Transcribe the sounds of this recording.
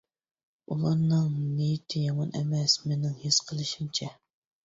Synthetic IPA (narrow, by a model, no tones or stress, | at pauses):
ulˠɑnːɨŋnijit̪ʰɪjɑmɑnʔɛ̰mɛsmɪnɪŋhisqʰəlˠɨʃint͡ʃʰɛ